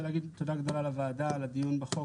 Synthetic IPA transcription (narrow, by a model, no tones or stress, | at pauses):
leaɡid̪t̪od̪aɡd̪olalavaːdalad̪ijunbeχo